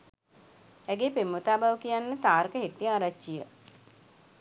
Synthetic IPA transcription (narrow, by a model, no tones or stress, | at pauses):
æɡeːpemːut̪aːbaʋəkijanːət̪aːɾəkəɦeʈːijəaɾat͡ʃːijə